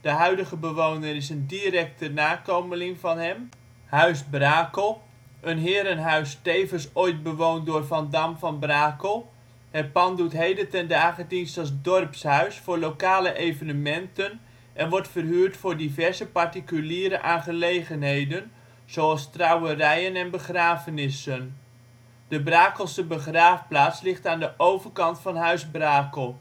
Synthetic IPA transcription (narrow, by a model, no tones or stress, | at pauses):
d̥əɦœɥdəɣəbəʋownərɪsəndirɛk̚tənaːkowməlɪŋvɑnɦɛm | hœɥsbraːkəlˠ | ʔənɦɪːɾənɦœɥsteːvənsojt̚bəʋowndʊːrvandamfɑnbraːkəlˠ | hɛpɑndutɦejdətɛndaːχədinstɑs̬dɔrpshœɥsfʊːrlowkaːləʔejvənəmɛntən | ʔɛnʋɔɹtfərɦyːrtfʊːɹdivɛrzəpartikyliːɾəʔaːnχəlejχənɦejdən | z̥oɑlˠstrɑwərɛjənɛnbəχraːvənɪsən | d̥əbraːkəlˠsəbəχraːfplaːslɪχtaːndəʔowvərkɑntfɑnɦœɥzbraːkəlˠ